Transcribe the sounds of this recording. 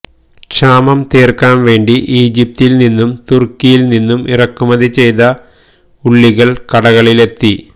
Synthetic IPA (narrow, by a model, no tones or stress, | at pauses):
ʂaːmɐmt̪eːrkaːnʋe̞ːɳɖiʔiːd͡ʑip̚t̪ilninːumt̪urkːijilninːumirɐkːumɐðit͡ɕe̞jðɐ | uɭːiɣɐɭkɐɽɐɣɐɭile̞t̪ːi